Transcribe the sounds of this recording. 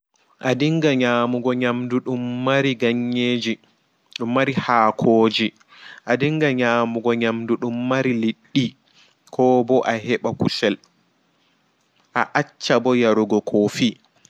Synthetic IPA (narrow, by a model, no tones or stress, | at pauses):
ʔadiŋɡaɲaːmuɡɔɲamduɗumːaɾiɡaɲːeːd͡ʒi | ɗumːaɾihaːkʰoːd͡ʒi | ʔadiŋɡaɲaːmuɡɔɲamduɗumːaɾiliɗːi | kʰɔːbɔʔaɦɛɓakusɛl | ʔaʔat͡ʃːabɔjaɾuɡɔkʰoːfi